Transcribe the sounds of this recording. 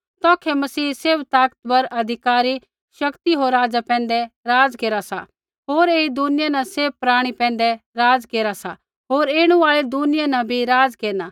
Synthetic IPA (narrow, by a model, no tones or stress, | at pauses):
t̪ɔ̃ːkʰɛmɐsiːseːbt̪aːkt̪bɐɾɐd̪ʱɪkaːɾi | ʃɐkt̪iɦoːɾaːd͡zapɛ̃ːnd̪ɛɾaːd͡zkeːɾasa̰ | ɦoːɾeːid̪ʊnɪjanɐ̃seːbpɾaːɽ̃ipɛ̃ːnd̪ɛɾaːd͡zkeːɾasa̰ | ɦoːɾeːɽ̃ũaːɭed̪unɪjanɐ̃bʱiɾaːd͡zkeːnaː